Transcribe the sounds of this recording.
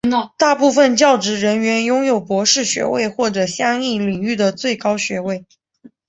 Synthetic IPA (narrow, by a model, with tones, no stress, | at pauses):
t̪a˥˧pu˥˧fə˧nt͡ɕjɑ˥˩ʊʈ͡ʂɻ̩˧˥ɻə˧˥nɥɛ˧˥njʊ˥ŋjo˨˩ʊpwɔ˧˥ʂɻ̩˥˩ɕɥɛ̰˧˥wḛ˥˧ɪxwɔ˥˩ʈ͡ʂɤ˨˩ɕjɑ˥ŋi˥˩li˨˩ŋy˥˩d̪ə˩t͡swe˥˩ɪkɑ˥ʊɕɥɛ˧˥we˥˩ɪ